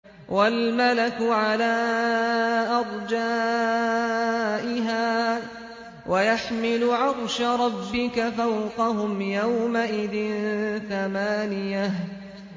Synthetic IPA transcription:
wʔalmalakʊʕalaː | ʔɑɾˤd͡ʒaː | ʔɪɦaː | wʔajaħmɪlʊʕɑɾˤʃaɾˤɑbːɪkafawqɑɦʊmjawmaʔɪðɪnθamaːnɪjah

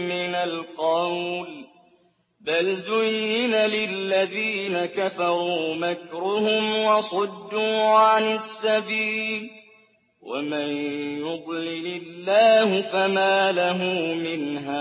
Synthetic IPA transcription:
mɪnalqɑwl | balzʊjːɪnalɪlːaðiːnakafɑɾˤuːmakɾʊhʊmwɑsˤɑd̪ːuːʕanɪsːabiːl | wa̰manjʊd̪ˤlɪlɪlːaːhʊfamaːlaɦʊmmɪnɦaː

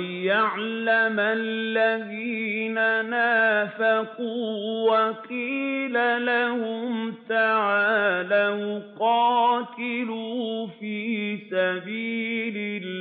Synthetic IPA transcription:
jaʕlamallːaðiːnanaːfakuːwaqiːlalahʊmt̪aʕaːlajʊqɑːt̪ɪlufiːsabiːlɪl

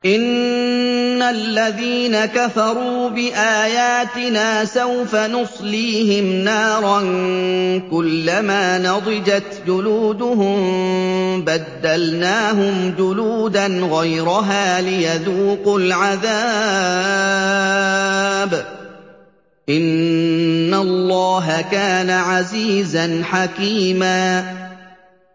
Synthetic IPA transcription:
ʔɪnː | alːaðiːnakafɑɾˤuːbɪʔaːjaːt̪ɪnaːsawfanʊsˤliːhɪmnaɑːɾˤɑn | kʊlːamaːnɑd̪ˤɨd͡ʒat̪d͡ʒʊluːd̪ʊɦʊm | bad̪ːalnaːɦʊmd͡ʒʊluːd̪anɣajɾʊɦaːlɪjaðuːqʊlʕaðaː | b | ʔɪnː | alˤːɑːɦakaːnaʕaziːzanħakiːmaː

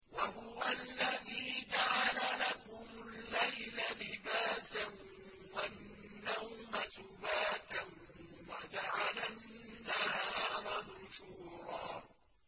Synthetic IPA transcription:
wahʊwalːaðiːd͡ʒaʕalalakʊmʊlːajlalɪbaːsan | wanː | awmasʊbaːt̪an | wad͡ʒaʕalanːahaːɾˤɑnʊʃuːɾˤɑː

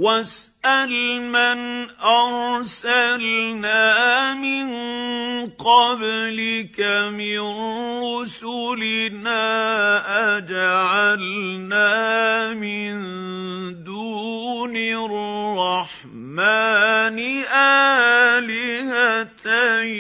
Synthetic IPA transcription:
wasʔalmanʔɑɾsalnaːmɪn | qɑblɪkamɪnnɾʊsʊlɪnaːʔad͡ʒaʕalnaːmɪn | d̪uːnɪrrˤːɑħ | maːnɪʔa | lɪhat̪a

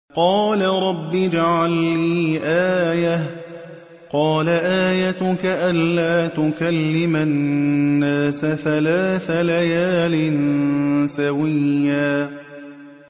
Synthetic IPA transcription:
qɑːlaɾˤɑbːɪd͡ʒaʕalːiiːʔaːjah | qɑːlaʔaːjat̪ʊkaʔanːaːt̪ʊkalːɪmannːaːsaθalaːθalajaːlɪnsawɪjːaː

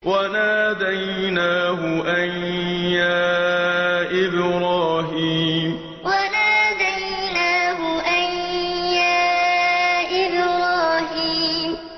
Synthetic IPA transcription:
wanaːd̪ajnaːɦʊʔaɲjaː | ʔɪbɾaːɦiːm | wanaːd̪aj | naːɦʊʔajjaː | ʔɪbɾaːɦiːm

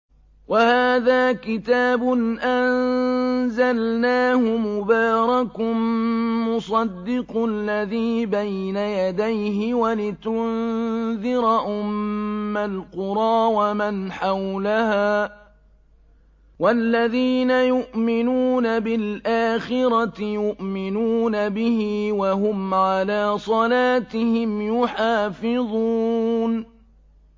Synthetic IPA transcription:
wahaːðaːkɪt̪aːbʊnʔan | zalnaːhʊmʊbaːɾˤɑk | mʊsˤɑd̪ːɪqlːaðiːbajnajad̪ajɦɪwalɪt̪ʊnðɪɾʔʊmːalqʊɾˤɑːwamanħawlahaː | walːaðiːnajʊʔmɪnuːnabɪlʔaːxɪɾˤɑt̪ɪjʊʔmɪnuːnabɪhiwaɦʊmʕalaːsˤɑlaːt̪ɪhɪmjʊħaːfɪðˤuːn

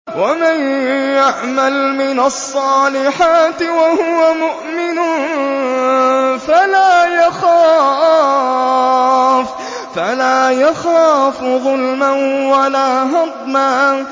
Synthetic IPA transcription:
wamanjaʕmalmɪnasˤːɑːlɪħaːt̪ɪwahʊwamʊʔmɪnʊn | falaːjaxaː | fː | alaːjaxaːfɣʊlmanwalaːɦɑd̪ˤmaː

